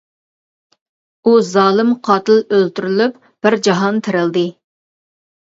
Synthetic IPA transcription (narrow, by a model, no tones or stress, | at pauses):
uzɑːlˠɨmqʰɑːt̪ɨlˠølt̪yɾylyp | b̥ɪɾd͡ʒɑɦɑnt̪ʰɪɾɪlˠd̪ɨ